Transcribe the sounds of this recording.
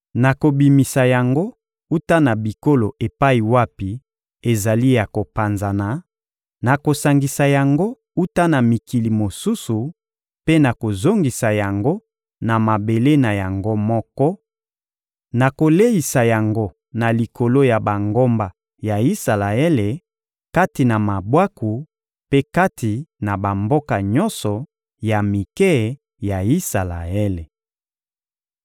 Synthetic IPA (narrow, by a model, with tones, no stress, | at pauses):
na˨ko˨bi˨mi˨sa˨ja˨ŋɡo˦ | u˦ta˦na˨bi˨ko˦lo˨ʔe˨pa˦i˨wa˦pi˨ | e˨za˨li˦ja˨ko˨pa˨nza˨na˨ | na˨ko˨sa˨ŋɡi˨sa˨ja˨ŋɡo˦ | u˦ta˦na˨mi˨ki˨li˨mo˨su˦su˨ | pe˦na˨ko˨zo˦ŋɡi˨sa˨ja˨ŋɡo˦ | na˨ma˨be˨le˦na˨ja˨ŋɡo˦mɔ˦kɔ˦ | na˨ko˨le˦i˨sa˨ja˨ŋɡo˦ | na˨li˨ko˨lo˦ja˨ba˨ŋɡo˦mba˨ | ja˨i˦sa˨la˨e˦le˨ | ka˦ti˨na˨ma˨bwa˦ku˨ | pe˦ka˦tʰi˨na˨ba˨mbo˦ka˨ɲɔ˦nsɔ˨ | ja˨mi˨kɛ˦˨ | ja˨i˦sa˨la̰˨e˦le˨